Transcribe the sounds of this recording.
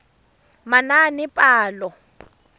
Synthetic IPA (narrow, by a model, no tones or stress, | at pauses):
mananɪpʼaːlɔ